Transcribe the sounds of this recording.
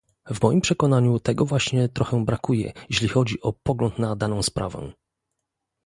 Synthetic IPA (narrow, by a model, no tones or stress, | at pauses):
vmɔjimpʂɛkɔnaɲut̪ɛɡɔvwaɕɲɛt̪ɾɔxɛ̃bɾakujɛ̰jeɕlʲixɔd͡ʑiʔɔpɔɡlɔnt̪nad̪anɔ̃w̃spɾa̰vɛ̰̃